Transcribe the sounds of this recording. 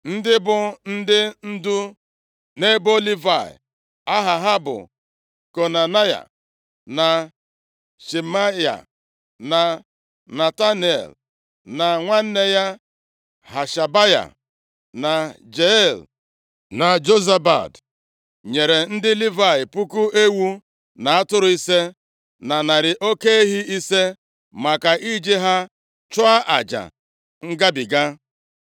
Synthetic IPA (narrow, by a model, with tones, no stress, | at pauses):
n̩˦dɪ˦bʊ˨n̩˦dɪ˦n̩˦du˦ | ne˦bo˦li˦va˨ɪ̰˨ | a˦ɦa˨ɦa˦bʊ̰˨ | ko˨na˨na˦ja̰˨ | na˨ | ʃe˨ma˦ja̰˨ | na˨ | na˨ta˦n˨ḛ˨l | na˨ŋʷa˦n̩˦ne˦ja˦ | ha˨ʃa˨ba˦ja̰˨ | na˨ | d͡ʒe˨˦˨l | na˨d͡ʒo˦za˦ba̰˨d | ɲe˨ɾe˨n̩˦dɪ˦li˦va˨ɪ˨pu˦ku˦e˦wu˦ | na˨a˦tʊ˦ɾʊ˨˦i˦se˦ | na˨na˨ɾɪ˨ʔo˦ke˦e˦ɦi˦i˦se˦ | ma˨ka˨i˦d͡ʒe˦ɦa˦ | t͡ʃʊ˦a˦ʔa̰˨d͡ʒa̰˨ | ŋ̩˦ɡa˦bɪ˨ɡa˦